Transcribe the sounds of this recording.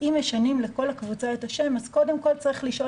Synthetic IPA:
imeʃanimle̞ko̞lakvut͡saetaʃe̞mazko̞de̞mko̞lt͡saʁiχliʃʔo̞

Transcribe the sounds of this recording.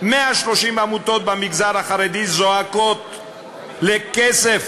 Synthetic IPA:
meaʃlo̞ʃimamut̪o̞t̪̚bamiɡzaʁhaχaʁed̪izoako̞t̪ | lekesef

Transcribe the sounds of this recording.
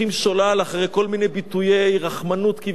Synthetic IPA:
imʃolalaχaʁejko̞lminejbit̪ujejʁaχmanut̪kiv

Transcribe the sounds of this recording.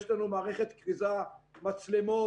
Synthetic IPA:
ʃlanumaːʁeχet̪kʁizamat͡slemo

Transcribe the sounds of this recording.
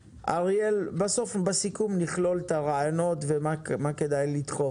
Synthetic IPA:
ʔaʁjelbaso̞fbasikumniχlo̞lt̪aʁaajono̞t̪vemamaked̪ajlit̪χof

